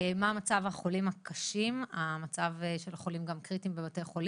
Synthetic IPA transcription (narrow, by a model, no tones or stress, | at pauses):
mamat͡savhaχo̞limakʰaʃimamat͡savʃe̞laχo̞limɡamkʁitimbebatejχo̞li